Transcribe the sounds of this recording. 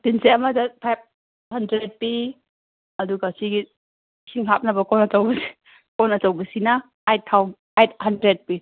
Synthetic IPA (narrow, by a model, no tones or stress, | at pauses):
dinseɐmadɐpʰajb̚ | hɐndɾed̚pi | ɐduɡasiɡi | sʰiŋɦap̚nɐbɐkɔnɐtawbɐsi̥ | kɔnɐtawbɐsinɐ | ajtʰːawn | ajt̚hɐndɾed̚pi